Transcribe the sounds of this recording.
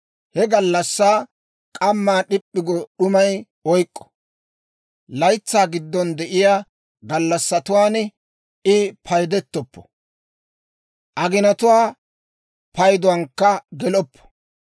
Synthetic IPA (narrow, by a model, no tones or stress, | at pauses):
hɛɡɐlːɐsːaː | kʼɐmːaːɗɪpʼːɪɡɔɗʊmɐj | ɔjkʼːɔ̥ | lɐjt͡sːaːɡɪd̪ːɔnd̪ɛʔɪjaː | ɡɐlːɐsːɐt̪ʊwaːn | ɪpʰɐjd̪ɛt̪ːɔpːɔ̥ | ʔɐɡɪnɐt̪ʊwaː | pɐjd̪ʊwɐŋkːɐɡɛlɔpːɔ̥